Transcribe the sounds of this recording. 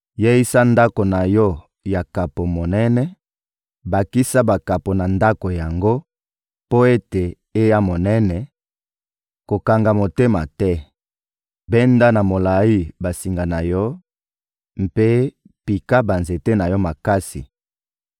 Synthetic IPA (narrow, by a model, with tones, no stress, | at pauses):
je˦i˦sa˦nda˦ko˨na˨jɔ˦ | ja˨ka˨po˨mo˨nɛ˦nɛ˦ | ba˨ki˦sa˦ba˨ka˨po˨na˨nda˦ko˨ja˨ŋɡo˦ | po˦e˦te˨ | e˦ja˦mo˨nɛ˦nɛ˨ | ko˨ka˨ŋɡa˨mo˨te˦ma˨tɛ˦ | bɛ˦nda˦na˨mo˨la˨i˦ba˨si˨ŋɡa˨na˨jɔ˦ | m̩˦pe˦ | pi˨ka˦ba˨nze˨te˦na˨jɔ˦ma˨ka˦si˨